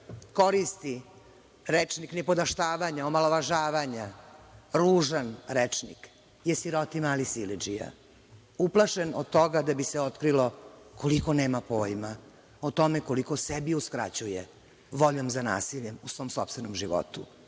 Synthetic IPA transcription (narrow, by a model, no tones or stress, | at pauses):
ko̞ɾist̪i | ɾet͡ʃniknɛpo̞d̪aʃt̪aːʋaɲaomalo̞ʋaʒaːʋaɲa | ɾuːʒanɾet͡ʂnḭk | jesiɾo̞t̪imaːlisilid͡ʒija̰ | uplˠaʃenod̪̚t̪o̞ɡad̪abiseo̞t̪kɾilo̞koliko̞neːmapoːjma | ot̪o̞meko̞liko̞sebiuskɾa̰t͡ɕujḛ | ʋo̞ʎo̞mzana̰ːsiʎemusvo̞ːmsopst̪venomʒiʋo̰t̪u